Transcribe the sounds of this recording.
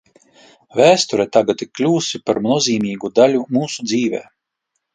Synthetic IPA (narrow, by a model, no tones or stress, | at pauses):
væːst̪uɾɛt̪aɡat̪iklʲuːsipaɾmnuɔziːmʲiːɡud̪alʲumuːsud̪ziːvɛ̰ː